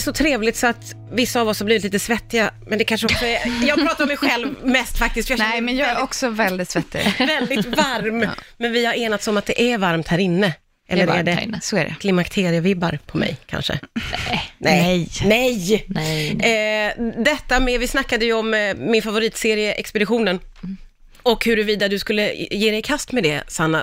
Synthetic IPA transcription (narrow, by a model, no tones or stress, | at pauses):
ʂɔt̪ʰɾeːvlɪt̪sɔat̪ | vɪsːaːvɔshaɾbliːɪt̪liːt̪əsvɛt̪ːɪɡamɛnd̪ɛkʰanʂəɔksɔɛjɑːɡpɾɑːt̪aɾɔmɛjɧɛlvmɛst̪fak̚t̪ɪsk̪fjanjɑlɔksɔvɛld̪ɪt̪svɛt̪ːɪ̰vɛld̪ɪvaɾmmɛnvɪhaɾeːnat̪sɔmat̪̚d̪ɛʔævaɾmt̪hæːɾɪnːə | ʔɛ̰lːəɾæɖɛsoæɖɛ̰kʰlɪmakt̪ʰeːɾɪəvɪbːaɾpʰɔmɛ̰jkʰa̰nʂə̰ | nɛnɛj | d̪ɛt̪ːamɛvɪsnakːad̪əjɵɔmːɪnfavʊɾiːt̪seːɾɪəʔɛkspɛd̪ɪɧuːnən | ɔkhɵɾɵviːd̪ad̪ɵskɵlːəjeːd̪ɛjkʰast̪mɛd̪ɛsanːa